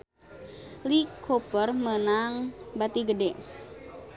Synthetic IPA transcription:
likʰopərmənaŋbat̪iɡədɛ

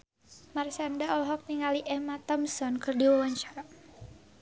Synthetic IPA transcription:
marsandaɔlɦɔk̚niŋaliʔɛmat̪ɔmsɔnkɨrdiwɔwɔɲt͡ʃaɾ

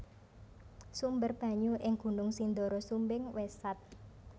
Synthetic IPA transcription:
sumbərb̥ä̤ɲuʔɪŋɡ̥ṳnʊŋsind̪ɔɾɔsumbɪŋwesat̪̚

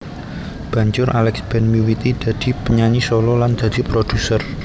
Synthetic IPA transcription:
b̥ä̤ɲd͡ʒʊɾʔa̰lɛksb̥ɛ̤nmiwit̪id̪̥ä̤d̪̥i̤pəɲaɲisolɔland̪̥ä̤d̪̥ipɾod̪̥usər

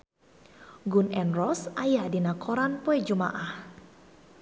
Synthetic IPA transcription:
ɡunɛnrɔsʔajadinakʰoɾanpoɛd͡ʒuma̰ʔah

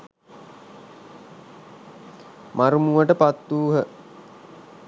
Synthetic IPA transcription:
maɾumuʋəʈəpat̪ːuːɦə

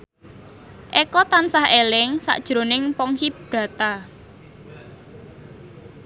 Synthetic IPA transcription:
ʔɛkɔt̪ansahelɪŋsa̰ʔd̥ʒ̥ɾo̤nɪŋpɔŋhib̥ɾä̤t̪a

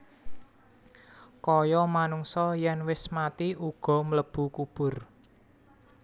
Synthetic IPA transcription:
kɔjɔmanuŋsɔjɛnwɪsmat̪iuɡ̥ɔ̤mələb̥ṳkub̥ʊ̤r

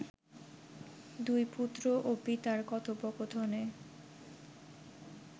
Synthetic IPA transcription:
d̪ujput̪ːɾoʔopit̪aɾkɔt̪ʰopokot̪ʰone

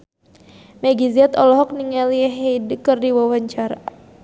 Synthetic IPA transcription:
mɛɡiziat̪ɔlɔɦɔk̚niŋaliɛɦedəkərdiwawaɲt͡ʃaɾa̰

